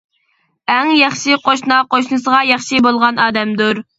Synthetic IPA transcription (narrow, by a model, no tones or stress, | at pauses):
ɛŋjɑχʃiqʰoʃnɑqoʃnɨsəʁɑjɑχʃibolˠʁɑnɑːd̪ɛmd̪uɾ